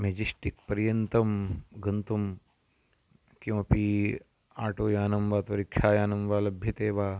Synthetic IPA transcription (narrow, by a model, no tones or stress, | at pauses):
med͡ʒisʈik̚pɐɾjɐnt̪ɐmɡɐnt̪um | kiʋɐpi | aːʈoːjaːnɐmʋaːt̪ʋɐɾikʃʰaːjaːnɐmʋaːlɐbʱjɐt̪eːʋaː